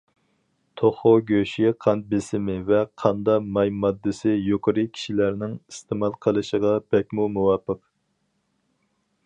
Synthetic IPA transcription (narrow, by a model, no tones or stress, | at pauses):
t̪ʰoχoɡʲøʃiqʰɑn̚bɪsɪmɪvɛqʰɑnd̪ɑmɑjmɑd̪ːɨsɪjoqʰəɾɨkʲʰi̥ʃilæɾnɪŋist̪ɨmɑlˠqʰəlˠɨʃəʁɑb̥ɛk̚ʲmumuwɑːpəq